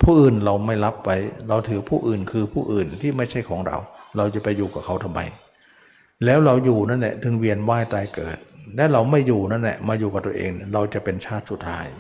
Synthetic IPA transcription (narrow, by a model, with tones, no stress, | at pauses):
pʰuː˥˩ʔɯː˨˩nɾa˧wma˥˩jla˦˥p̚ːa˦˥jɾa˧wt̪ʰɯː˨˦pʰuː˥˩ʔɯː˨˩nkʰɯː˧pʰuː˥˩ʔɯː˨˩nt̪ʰiː˥˩ma˥˩jt͡ɕʰa˥˩jkʰɔː˩˦ŋɾa̰˧wɾa˧wt͡ɕa˨˩pa˧jːuː˨˩kaː˨˩kʰa˦˥wt̪ʰa˧mːa̰˧j | lɛː˦˥wɾa˧wjuː˨˩na˦˥nlɛ̰˨˩t̪ʰɯ˨˦ŋwi˧ənwaː˥˩jt̪aː˧jkɤ̰ː˨˩t̪̚lɛ˦˥ɾa˧wma˥˩jːuː˨˩na˦˥˨nlɛ̰˨˩maː˧juː˨ka˨˩t̪u˧ə˧ʔḛː˧ŋlɛ˩ɾa˧wt͡ɕa˨˩ʔpe˧nt͡ɕʰaː˥˩t̪̚su˨˩t̪ʰːaː˦˥j